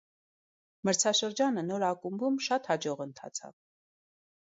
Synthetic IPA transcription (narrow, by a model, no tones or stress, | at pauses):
məɾt͡sʰɑʃəɾd͡ʒɑnənɔɾɑkumbumʃɑt̪hɑd͡ʒɔʁənt̪ʰɑ̰t͡sʰɑ̰v